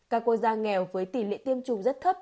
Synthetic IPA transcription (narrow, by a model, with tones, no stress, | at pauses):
kaː˧kːo˧˩t̚zaː˧ŋɛ˨˩wvəː˨˦jt̪i˧˩lḛ˧˨nt̪i˧əmt͡ɕʊ˨˩ŋ͡mzə˦˥t̚t̪ʰə˦˥p̚